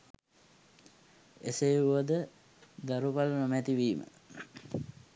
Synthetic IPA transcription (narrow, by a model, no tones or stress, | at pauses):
esejuʋəd̪ə | d̪aɾupalənomɛt̪iʋiːmə̰